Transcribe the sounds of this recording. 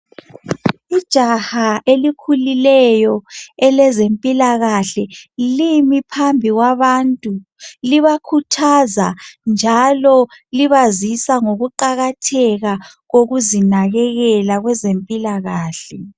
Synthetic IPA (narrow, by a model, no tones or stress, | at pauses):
id̥ʒ̥ʱahaʔelikʰulilɛjɔɛlɛzempʼilaɣaɬɛlimipʰambʱiɣwaβaːntʼu | liβakʰutʰazand͡ʒʱalɔliβazisaŋoɣuǃaɣatʰɛɣa | ɣoɣuzinaɣɛɣɛlaɣwɛzempʼilaɣaːɬɛ